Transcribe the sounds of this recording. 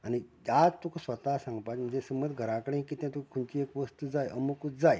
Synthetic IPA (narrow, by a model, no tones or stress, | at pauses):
añiad͡zt̪ukʰusʋət̪asãŋɡpat̪m̤ə̃nd͡zesəməd̪ɡʱəɾãkəɽẽkit̪jãt̪ukukʰuɳt͡ɕiekʋəst̪ud͡zajʔəmukud͡zaj